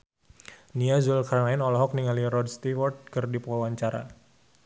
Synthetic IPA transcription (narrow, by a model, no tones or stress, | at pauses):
niazulkarnainɔlɔɦɔk̚niŋaliɾɔd̚st̪ifɔrt̪̚kɨrdipawaɲt͡ʃaɾa̰